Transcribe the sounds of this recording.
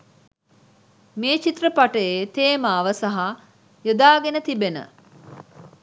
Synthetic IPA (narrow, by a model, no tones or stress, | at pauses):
meːt͡ʃit̪rəpaʈəjeːt̪eːmaːʋəsɐɦa | jod̪aːɡenət̪ibenə̰